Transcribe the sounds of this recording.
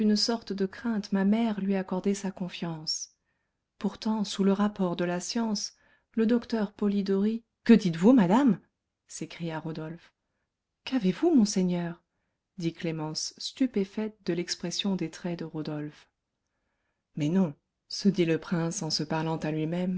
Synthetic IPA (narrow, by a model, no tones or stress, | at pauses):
ynsɔʁt̪d̪əkχɛ̃t̪mamɛʁlɥiakɔʁd̪ɛsakɔ̃fjɑ̃s | puʁt̪ɑ̃suləʁapɔʁd̪əlasjɑ̃s | ləd̪ɔkt̪œʁpɔlid̪ɔʁi | kəd̪it̪vumad̪am | sekχijaʁod̪ɔlf | kavevumɔ̃seɲœʁ | d̪iklemɑ̃sːt̪ypefɛt̪̚d̪əlɛkspχɛsjɔ̃d̪et̪χɛd̪əʁod̪ɔlf | mɛnɔ̃ | səd̪iləpχɛ̃sɑ̃səpaʁlɑ̃t̪alɥimɛm